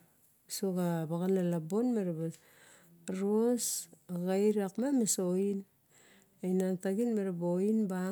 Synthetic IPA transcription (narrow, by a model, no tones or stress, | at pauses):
soɡabaɣanalabo̞nmeɾaβa | ɾosaɡajɾakmamesoin | ejnantaɡinmeɾaboinba